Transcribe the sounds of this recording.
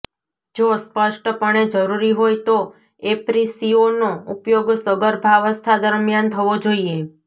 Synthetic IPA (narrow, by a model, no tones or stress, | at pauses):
d͡ʒospəʃʈəpəɳ̃ed͡ʒəɾuɾiɦojt̪o | epɾisionoupjoɡsəɡəɾbʱaʋəst̪ʰad̪əɾmjant̪ʰəʋod͡ʒoie